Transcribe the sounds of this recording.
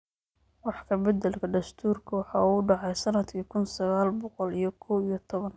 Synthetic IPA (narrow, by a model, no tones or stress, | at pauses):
wɑħkʰɐbɛd̪ɛlkʰɐd̪ɐst̪ʰuːrkʰɐwɑħɑːuɖɑʕɑjsɐnɐd̪kʰiːkʰʊnsɐɣaːlbɔqɔlijɞkʰɔːwijɞt̪ʰɔβɐn